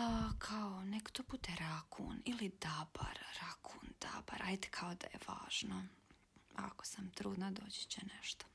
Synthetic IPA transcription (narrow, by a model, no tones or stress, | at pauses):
akʰaonekt̪oput̪eɾakʰṵːnilid̪aba̰ɾɾakʰuːnd̪̥a̰ba̰ɾajd̪e̥kʰaod̪a̰jḛʋa̰ːʒ̥no | a̰ko̥samt̪ɾuːd̪nad̪o̞ːd͡ʑe̥t͡ɕeneʃt̪o̥